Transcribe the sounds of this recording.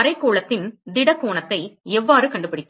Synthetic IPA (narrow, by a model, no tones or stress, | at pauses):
ɐɾɐɪkːoːɭɐt̪ːɪnd̪ɪɽɐkːoːɳɐt̪ːɐɪɛʋːaːɾɯkɐɳɖɯpɐɽɪt̪ː